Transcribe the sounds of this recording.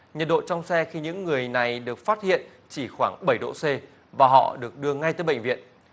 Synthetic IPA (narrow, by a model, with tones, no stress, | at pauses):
ɲə˨˩ɗo̰˧˨t͡ɕɔ˧wŋ͡msɛ˧xi˧ɲɨ̰˧˥ŋːɨ˨˩əjna˨˩jɗɨ˨˩ək̚faː˦˥t̚hḭ˧˨ən | t͡ɕi˧˩xwaː˧˩ŋɓə˧˩jɗo̰˧˨se˧ | vaː˨˩ɦɔ̰˧˨ɗɨ˨˩ək̚ɗɨ˧əŋa˧jt̪əː˨˦jɓə̰˧˨ŋ̟vḭ˧˨ən